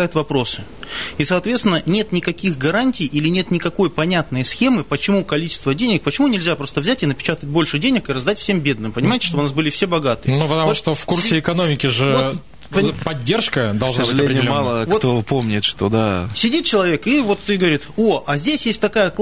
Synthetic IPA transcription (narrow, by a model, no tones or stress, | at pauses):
ajʊt̪vɐpɾo̞sɨ | isɐːt̪vʲet̪sʲɪnːənʲe̞t̪nʲɪkɐkʲixɡɐɾanʲtʲɪjʔilʲɪnʲe̞t̪nʲɪkɐko̞jpɐnʲat̪nəjəsxʲemɨpət͡ɕɪmukɐlʲit͡ɕɪ̥st̪vədʲenʲɪk̚pət͡ɕɪmunʲɪlʲzʲapɾo̞st̪əvzʲætʲɪnəpʲɪ̥t͡ɕat̪əət̚ʲbo̞lʲʂɨdʲenʲɪkɨɾɐzd̪atʲfsʲembʲe̞d̪nɨmpənʲɪmajɪtʲɪ̥ʂt̪obʊnasbɨlʲɪfsʲebɐɡat̪ɨjnupət̪ɐmvuʂt̪ofkursʲɪɪkɐnomʲɪkʲɪʐɨot | ppɐdʲːerʂkəd̪ɐlˠsʒəaʐɨlʲeɾnʲmɑlˠəvkot̪opomnʲɪt̪ʂt̪od̪asʲɪdʲit̪̚t͡ɕɪlˠɐvʲe̞kivo̞t̪ːɨɡəvɐɾʲit̪oɐzʲdʲesʲjesʲtʲt̪ɐkajək̪